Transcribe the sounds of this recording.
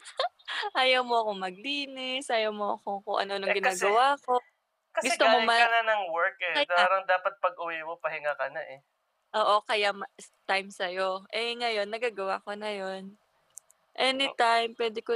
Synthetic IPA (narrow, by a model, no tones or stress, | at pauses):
ʔaːjɐwmoɐko̞mɐɡ̚liːnɪsʔaːjɐwmoɐ̰kokʊŋʔɐ̰no̞noŋɡɪnaːɡɐwaːko | kɐɡʊɛst̪oamomɐɐnanɐŋwɛɹkɛɐaːɾɐŋd̪aːpɐt̪̚pɐɡ̚ʊwɛmopɐhɪŋakɐnaʔɛ | ʔoːʔo̞kɐjamɐt̪ajmsɐjoʔɛŋɐjo̞nːɐɡaːɡɐwaːkonɐjo̞n | ʔɛnɪt̪ajmpwɛːd̪ɪko